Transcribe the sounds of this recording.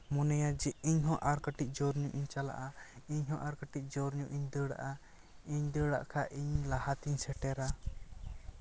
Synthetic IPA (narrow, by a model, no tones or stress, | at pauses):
mɔnɛjad͡ʒɛiɲɦɔ̃ʔaɾkəʈic̚ˀd͡ʒɔɾɲuʔiɲt͡ʃala̰ʔaiɲɦɔ̃ʔaɾkəʈic̚ˀd͡ʒɔɾɲuʔiɲd̪əɽa̰ʔa | iɲd̪əɽa̰ʔkʰaʔiɲlahat̪iɲsɛʈɛɾa